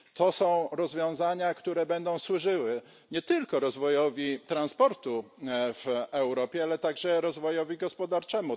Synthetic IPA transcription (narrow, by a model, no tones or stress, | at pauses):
t̪ɔsɔ̃w̃ɾɔzvʲjɔ̃w̃zaɲakt̪uɾɛbɛnd̪ɔ̃w̃swuʐɘwɘ | ɲɛt̪ɘlkɔɾɔzvɔjɔvʲit̪ɾanspɔɾt̪uv̥ɛwɾɔpʲjɛalɛt̪aɡʐɛɾɔzvɔjɔvʲiɡɔspɔd̪aɾt͡ʂɛmu